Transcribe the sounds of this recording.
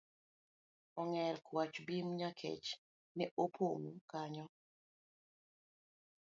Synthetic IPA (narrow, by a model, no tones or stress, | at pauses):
ɔŋɛlkwat͡ʃbimɲakʰḛt͡ʃ | nɛʔopʰomkaɲɔ